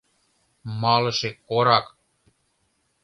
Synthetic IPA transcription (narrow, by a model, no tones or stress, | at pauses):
mɑlɤ̆ʃekoɾɑk